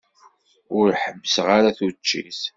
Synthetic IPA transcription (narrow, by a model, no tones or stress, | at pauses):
ʊɾħəmːəsʁaɾaθut͡ʃːḭθ